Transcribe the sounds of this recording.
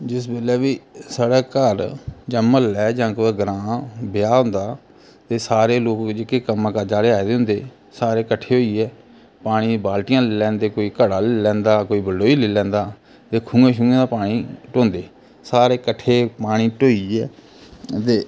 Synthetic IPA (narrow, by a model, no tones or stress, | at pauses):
d͡ʒɪsbeːlɛːbiːsaːɽɛːkəɾd͡ʒəməlɛːd͡ʒãːkːɡɾãːbɪjaːɦʊ̃nd̪aː | t̪eːsaːɾeːloːkd͡ʒekeːkəmãːkəɾd͡ʒaːɾeːaːed̪eːɦʊ̃nd̪eː | saːɾeːkəʈʰːeːɦoːiːɛː | paːɽ̃iːbaːlʈɪjãːlːlɛ̃ːnd̪eːkoːiːkəɽaːleːlɛ̃ːnd̪aːkoːiːbəlːoːiːleːlɛ̃ːnd̪aː | t̪eːkʰũːɡẽːʃũːɡẽːd̪aːpaːɽ̃iːʈõːnd̪eː | saːɾeːkəʈʰːeːpaːɽ̃iːʈoːiːɛː | t̪eː